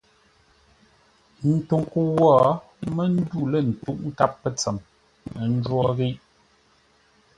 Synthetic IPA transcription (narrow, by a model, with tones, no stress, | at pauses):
n̩˨tu˨ŋku˦˨wɔ˦ | mə˦n̩˦du˦lə˦˨n̩˨tu˦ʔ̚ŋ̩˦ka˦pːə˦t͡sɛ˨m | mə˨n̩˦d͡ʒwɔ˦ɣi˦ʔ